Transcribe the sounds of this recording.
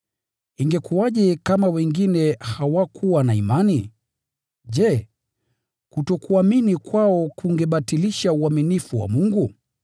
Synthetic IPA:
iŋɡɛkuaʄɛkamawɛŋɡinɛhawakʰuwanaimani | ʄɛ | kutɔkuaminikwaɔkuŋɡɛɓatiliʃauaminifuwa̰muŋɡu

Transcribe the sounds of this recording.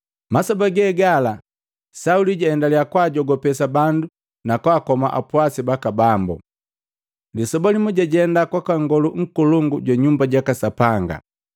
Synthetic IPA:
masɔbaɡɛːɡala | sauliɟaɛndaliakwaɟɔɡɔpɛsabandu | nakwaːkɔmaʔa̰pwasibakabambɔ̰ | lisɔbalimuɟaɟɛndakwakaŋɡɔluŋ̩kuluŋɡuɟwaɲumbaɟakasapaŋɡa̰

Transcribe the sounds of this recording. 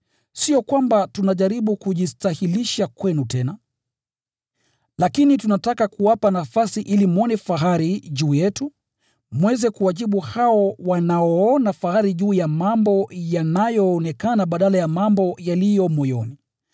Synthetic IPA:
siɔkwambatunaʄaɾiɓukuʄistahiliʃakwɛnutɛna | lakinitunatakakuwapanafasiʔilimɔnɛfaɦaɾiʄuːjɛtu | mwɛzɛkuwaʄiɓuhaɔwanaɔɔnafahaɾiʄuːjamambɔjanajɔːnɛkanaɓaɗalajamambɔjalijɔmɔjɔ̰ni

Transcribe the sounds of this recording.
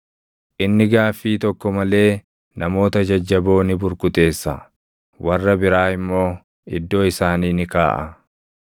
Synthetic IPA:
ʔɪnːɪɡaːfːiːt̪ɔkːɔmɐle̞ː | nɐmo̞ːt̪ɐd͡ʒɐd͡ʒːɐbo̞ːnɪbʊɾkʊt̪ʼe̞ːsːɐ̰ | wɐrːɐbɪɾaːɪmːo̞ː | ɪd̪ːo̞ːɪsaːniːnɪkaːʔɐ

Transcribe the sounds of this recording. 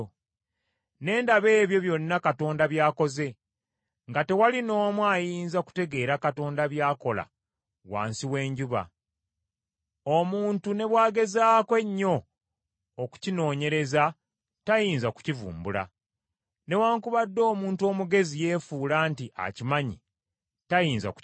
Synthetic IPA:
ne̞ːndaβe̞ːβjo̞βjo̞nːakato̞ːndaβjaːko̞ze̞ | ŋɡate̞walino̞ːmwajiːnzaku̥te̞ɡe̞ːɾakato̞ːndaβjaːko̞la̰ | wa̰ːnsiwe̞ːɲɟuβa̰ | omuːntune̞βwaːɡe̞zaːkwe̞ɲːo̞ː | ku̥cino̞ːɲe̞ɾe̞za | tajiːnzaku̥civṵːmbula̰ | ne̞waːŋkuβadːo̞ːmuːntuo̞ːmuɡe̞zije̞ːfuːlaːntiʔa̰cimaɲḭ | tajiːnza̰k

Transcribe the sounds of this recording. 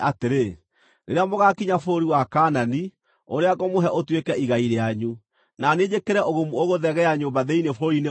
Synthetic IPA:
ateɾe | neɾeamoɣakiɲafoɾiwakanani | oɾeakomoɦɛʔotwekɛiɣaiɾeaɲu | naned͡ʑekeɾɛʔoɣomuoɣoðɛɣɛjaɲoːmbaðɛinefoɾine

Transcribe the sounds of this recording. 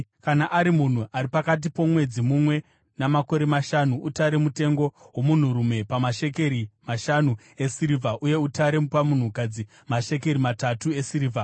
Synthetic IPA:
kanaʔaɾimun̤uʔaɾipakat̬ipo̞mwe̞d͡zimumwe̞ | namako̞ɾe̞maʃanuutaɾe̞mute̞ŋɡo̞wo̞mun̤uɾume̞pamaʃe̞keɾimaʃanu | e̞siɾivʱaʔuje̞utaɾepamun̤ukad͡zi | maʃe̞k̬e̞ɾimatatue̞siɾivʱa

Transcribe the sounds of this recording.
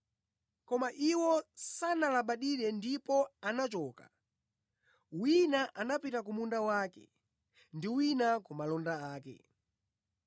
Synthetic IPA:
kɔmaʔiwɔsanalaɓaɗiɾɛndipɔanat͡ʃɔːka̰ | winaʔanapitakumundawaːkɛ̰ | ndiwinakumalɔndaaːkɛ̰

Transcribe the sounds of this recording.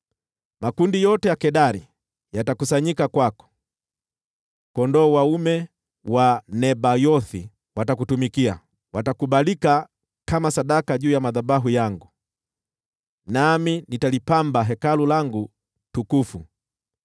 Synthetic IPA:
makundijɔtɛjakɛɗaɾḭ | jatakusaɲikakwakɔ̥ | kɔndɔːwaumɛ | wanɛbajɔθi | watakutumikia̰ | watakuɓalika | kamasaɗakaʄuːjamaðaɓaɦujaŋɡu | naminitalipambaɦɛkalulaŋɡu | tukufu

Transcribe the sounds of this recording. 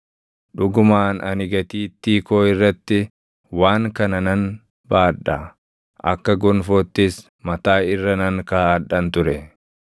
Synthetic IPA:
ᶑʊɡʊmaːnɐnɪɡɐt̪iːt̪ːiːkoːɪrːɐt̪ːɪ | waːŋkɐnɐnɐn | baːᶑɐ | ʔɐ̰kːɐɡɔnfoːt̪ːɪs | mɐt̪aːɪrːɐnɐŋkaːɐᶑɐnt̪ʊɾɛ

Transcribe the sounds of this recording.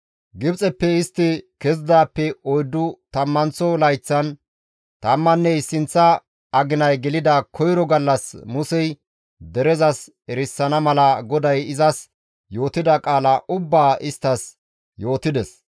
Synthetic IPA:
ɡɪbt͡sʼɛpːɛɪst̪ːɪkɛzd̪aːpːɛɔjd̪ːʊt̪ɐmːɐnt͡sɔlɐjt͡sːɐn | t̪ɐmːɐnːɛjsɪnt͡sːɐ | ɐɡɪnɐjɡɛlɪd̪ɐkʰɔjɾɔɡɐlːɐsmʊsɛj | d̪ɛɾɛzɐs | ɛɾɪsːɐnɐmɐlɐɡɔd̪ɐjɪzɐs | jo̞ːt̪ɪd̪ɐkʼaːlɐʔʊbːaːʔɪst̪ːɐs | jo̞ːt̪ɪd̪ɛs

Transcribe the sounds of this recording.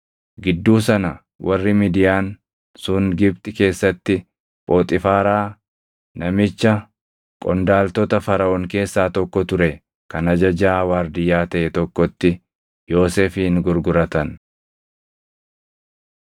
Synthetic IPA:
ɡɪd̪ːuːs̬ɐnɐ | wʔɐrːɪmɪd̪ɪjaːn | sʊŋɡɪbt̪ɪke̞ːsːɐt̪ːɪ | pʼo̞ːt̪ʼɪfaːɾaː | nɐmɪt͡ʃːɐ | kʼɔnd̪aːlt̪ɔt̪ɐfɐɾɐʔɔŋke̞ːsːaːt̪ɔkːɔt̪ʊɾɛ | kɐnɐd͡ʒɐd͡ʒaːɐwaːɾd̪ɪjːaːt̪ɐʔɛt̪ɔkːɔt̪ːɪ | jo̞ːseːfiːŋɡʊɾɡʊɾɐt̪ɐn

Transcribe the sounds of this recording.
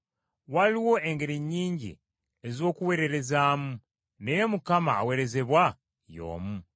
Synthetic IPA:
waliwo̞ʔe̞ŋɡe̞ɾiɲːiːɲɟḭ | ezo̞ːkuwe̞ɾe̞ɾe̞zaːmu | nejemukama̰ːwe̞ɾe̞ze̞βwa | jo̞̰ːmu

